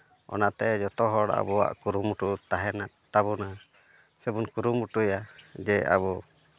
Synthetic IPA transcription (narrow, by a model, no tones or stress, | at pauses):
ɔ̰nat̪ɛd͡ʒɔt̪ɔɦɔɽa̰bɔwa̰ʔkuɾumuʈut̪aɦɛnaʔt̪aβɔna | sɛbunkuɾumuʈujad͡ʒɛa̰βɔ